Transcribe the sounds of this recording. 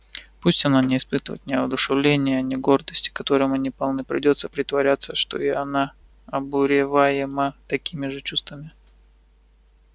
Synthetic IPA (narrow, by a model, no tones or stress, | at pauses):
pusʲtʲɐnanʲɪːspɨt̪əvə̰t̪nʲɪɐd̪ʊʂɨvlʲenʲɪjəːnʲɪɡo̞rd̪əsʲtʲɪ̥kɐt̪o̞ɾɨmɐnʲipɐlˠnɨpɾʲɪ̰dʲo̞t̪səpɾʲɪt̪vɐɾʲat̪səʂt̪o̞̰ɪɐna | ɐbʊɾʲɪvajɪmət̪ɐkʲimʲɪʐɨt͡ɕust̪vəmʲɪ